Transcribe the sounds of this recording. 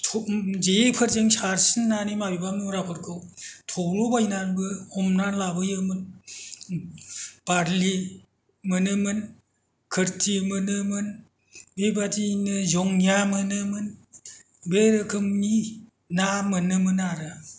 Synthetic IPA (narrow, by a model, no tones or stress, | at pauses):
tʰɔd͡ʒepʰɯɾzeŋsaɾsɯnːanimabibamnuɾapʰɯɾkʰɯwtʰɔwlobajnanbɯɔmnanlabɯjɯmɯn | b̥aɾli | mɯnɯmɯn | kʰɯɾtʰimɯnɯmɯn | bebadinɯzɔŋjamɯnɯmɯn | beɾɯkʰɯmni | namɯnɯmɯnaɾɯ